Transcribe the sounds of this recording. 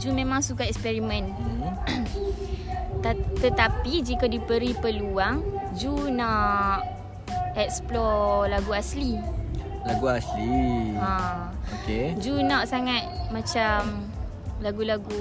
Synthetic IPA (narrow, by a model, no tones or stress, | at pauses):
d͡ʒumẽmaŋsukaɛkspɛɾimə̃n̩ | t̪at̪ət̪apid͡ʒikadipəɾipəluaŋ | d͡ʒunaʔ | ɛksplɔlaɡuasli | laɡuasliãoked͡ʒunaʔsaŋat̪̚mat͡ʃam | laɡulaɡu